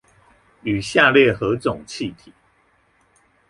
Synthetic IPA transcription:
y˨˩ɕja˥˧ljɛ˥˨xɤ˨˦t͡sʊ˨˩ŋt͡ɕʰi˥˨t̪ʰi˨˩˦

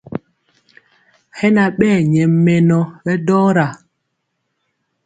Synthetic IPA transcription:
hɛ˦na˨ɓɛː˦˨ɲɛ˨mːɛ˨nɔ˦ɓɛ˦dɔː˦ɾa˨

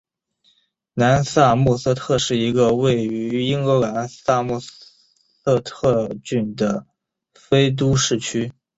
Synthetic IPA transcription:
na˧˥nsa˥˧mu˥˩sɤ˥˧t̪ʰɤ˥˧ʂɻ̩˥˩i˧˥ɡə˧we˥˩ɪy˧˥i˥ŋwɔ˧˥la˧˥nsa˥˧mu˥˩ | ɤ˥˧t̪ʰɤ˥˧t͡ɕy˥˩nd̪ə˩ | fe˥ɪt̪̬u˥ʂɻ̩˥˩t͡ɕʰy˥

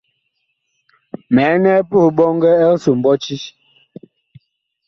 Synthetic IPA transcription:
mɛ˨˦nɛ˦pu˦˨ɓɔ˦ŋɡɛ˦ɛ˦su˨m̩˨bɔ˦t͡ʃi˦

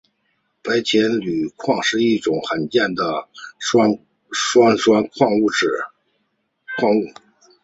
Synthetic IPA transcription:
pa˧˥ɪt͡ɕʰjɛ˧˥nly˨˩kʰwɑ˥˧ŋʂɻ̩˥˧i˥˩ʈ͡ʂʊ˨˩ŋxə˨˩nt͡ɕjɛ˥˩nd̪ə˩a˥ | ʂwa˥nʂwa˥nkʰwɑ˥˧ŋu˥˩ʈ͡ʂɻ̩˨˩ | kʰwɑ˥˧ŋu˥˩

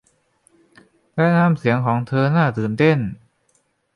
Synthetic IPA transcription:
lɛ˦˥naː˧˥˨msi˩˦əŋkʰɔː˩˦ŋt̪ʰɤː˧naː˥˩t̪ɯː˨˩nt̪e˥˩n

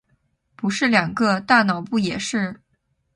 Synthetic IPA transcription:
pu˧˥ʂɻ̩˥˩ljɑ˨˩ŋɡə˧t̪a˥˩nɑ˨˩˦ʊpu˥˩jɛ˨˩ʂɻ̩˥˩

